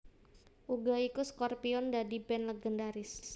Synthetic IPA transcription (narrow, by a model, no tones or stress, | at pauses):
ʔuɡaikuskɔrpiɔndadibɛnləɡəndaɾɪs